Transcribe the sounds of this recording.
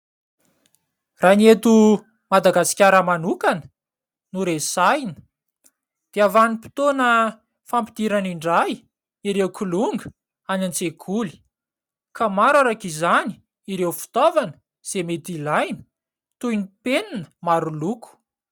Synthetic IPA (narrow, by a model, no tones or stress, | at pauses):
raniet̪u | mad̪aɡasi̥kʲaɾəmanukanə̥ | nuɾesajnə̥ | d̪̥eavanipi̥t̪onə | fampid̪̥iɾaniɳɖ͡ʐaj | iɾewkuluŋɡə | anant͡sekʰuli̥ | kamaɾaɾakizani̥ | iɾewfi̥t̪ovanə̥ | z̥emet̪ilajnə̥ | t̪ujnipeninə̥maɾuluku̥